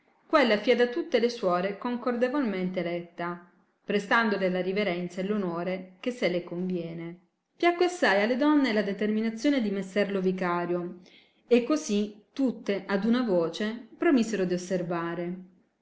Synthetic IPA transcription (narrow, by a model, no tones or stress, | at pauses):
kwelːafiɛd̪at̪ut̪ːeleswɔːɾekoŋkord̪evolment̪elɛt̪ːa | pɾest̪and̪olelaɾiveɾɛnt̪saelːonoːɾek̟esːelekoɱvjɛːne | pjakːeasːajalːed̪ɔnːelad̪et̪erminat̪sːjoːned̪imesːɛrlovikaːɾjo | ekːozit̪ut̪ːeʔad̪unavoːt͡ʃepɾomizeɾod̪iosːervaːɾe